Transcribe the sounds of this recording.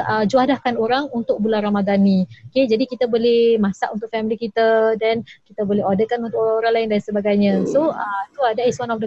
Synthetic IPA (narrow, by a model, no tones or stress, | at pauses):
ʔəd͡ʒuadahkanoɾaŋunt̪ʊk̚bularamadanĩoked͡ʒadikit̪abolɛhmãsaʔunt̪ʊkʔ̚fɛmilikit̪adɛnkit̪əbolɛɦɔdəkanunt̪ʊkoɾaŋlaɪndansəbaɡajɲãsoət̪uadɛtiswanɔfdə